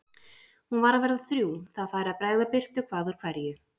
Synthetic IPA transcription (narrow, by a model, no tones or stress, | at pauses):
hunvaːɾaðvɛɾðaθɾjuːθaðfaːjɾɪaðpɾaːjɣðapɪr̥t̪ʏkʰv̥aːðʏɾ̥kʰv̥aɾjʏ